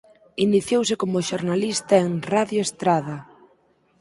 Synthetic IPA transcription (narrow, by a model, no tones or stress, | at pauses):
iniθjowsɪkomʊʃoɾnalist̪ɐeŋraðjoest̪ɾaðɐ